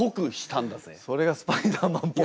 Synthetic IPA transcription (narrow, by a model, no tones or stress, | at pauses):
okɯ̟ɕi̥t̪ãnd̪aso̞ɾe̞ɡasɨ̥paid̪aːmãmpo